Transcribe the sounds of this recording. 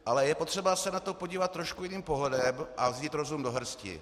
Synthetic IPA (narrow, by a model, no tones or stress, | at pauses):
ʔalɛjɛpot̪r̥ɛbasɛnat̪o̞po̞ɟiːvat̪ːɾoʃkujɪniːmpo̞ɦlɛdɛmʔavziːt̪ɾo̞zumdo̞ɦr̩scɪ̰